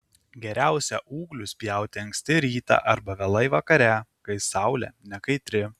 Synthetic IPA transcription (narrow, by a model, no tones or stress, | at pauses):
ɡʲɛɾʲæˑʊsʲɛʔuːɡlʲʊsʲpʲjɛˑʊt̪ʲɪɐŋʲksʲt̪ʲɪɾʲiːt̪ɑ̰ʔɐɾbɐʋʲɛlˠɐɪʋɐkɐɾʲɛkɐɪsɑʊlʲɛ̰nʲɛkɐɪt̪ʲɾʲɪ